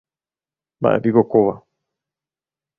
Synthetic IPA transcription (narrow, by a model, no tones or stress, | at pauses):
mba̰ʔḛpikokoʋa